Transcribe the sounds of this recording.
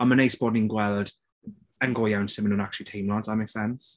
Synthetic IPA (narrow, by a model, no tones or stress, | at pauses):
ãməneɪsb̥ɔdⁿnɪ̃nɡwɛlˠd | ə̃nɡɔjãw̃nsɪmənə̃nak̚t͡ʃəlitʰĩːmlãnsðət̚meɪksɛns